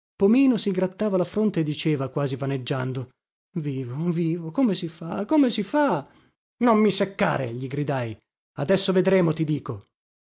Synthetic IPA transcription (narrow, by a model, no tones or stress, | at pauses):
pomiːnosiɡɾat̪ːaːvalafɾont̪eːd̪ːit͡ʃeːvakwaːzivaned͡ʒːand̪o | viːvoviːvokomesifakomesifa | nomːisekːa̰ːɾḛʎiɡɾid̪aj | ad̪ɛsːoved̪ɾeːmot̪id̪iːko